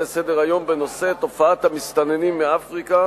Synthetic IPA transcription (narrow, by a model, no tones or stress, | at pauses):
esed̪eʁajo̞mbeno̞set̪o̞faat̪hamist̪anenimːeafʁika